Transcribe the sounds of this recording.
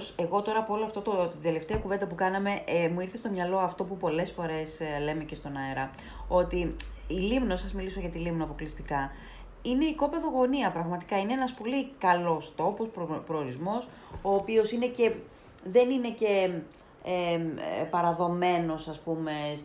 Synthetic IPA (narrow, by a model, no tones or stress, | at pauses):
se̞ɣo̞t̪o̞ɾɐːpoo̞loɐft̪ot̪ot̪id̪e̞le̞ft̪eɐkuvend̪ɐpukɐnɐme̞ʔmuiɾθe̞st̪omɲɐlo̞ɐft̪o̞pupo̞le̞sfo̞ɾe̞sle̞me̞ce̞st̪o̞nɐeɾɐ | o̞t̪iilimnosɐzmiliso̞ʝɐt̪ilimnoɐpo̞klist̪ikɐ | ine̞iko̞peðo̞ɣo̞niɐpɾɐɣmɐt̪i̥kɐineenɐspo̞likɐlo̞st̪o̞posppɾoːɾizmo̞s | o̞ːpio̞sine̞ce̞ | ðe̞nine̞ce̞ | epɐɾɐðo̞me̞no̞sɐspume̞s